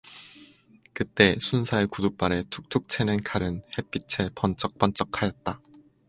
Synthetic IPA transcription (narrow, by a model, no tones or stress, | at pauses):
kɯt͈e̞sʰunsʰaekudup͈aɾe̞tʰu̥k̚t͡ɕʰuk̚t͡ɕʰenɯnkaɾɯnhe̞p͈it͡ɕʰepʌnt͡ɕ͈ʌk̚p͈ʌnt͡ɕ͈ʌkʰajʌt̚t͈a